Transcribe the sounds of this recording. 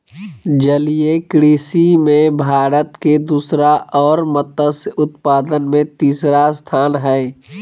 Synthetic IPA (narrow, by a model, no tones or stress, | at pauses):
d͡ʒəliekɾiːsimẽbʱaːɾət̪ked̪uːsɾaʔɔːɾmət̪əsʊt̪paːd̪ənmẽt̪iːsɾast̪ʰaːnɦɛː